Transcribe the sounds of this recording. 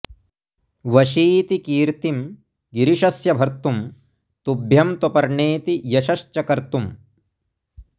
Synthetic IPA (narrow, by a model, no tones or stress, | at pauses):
ʋɐʃiːt̪ikiːɾt̪im | ɡiɾiʃɐsjɐbʱɐɾt̪um | t̪ubʱjɐmt̪upɐɾɳeːt̪ijɐʃɐʃt͡ʃɐkɐɾt̪um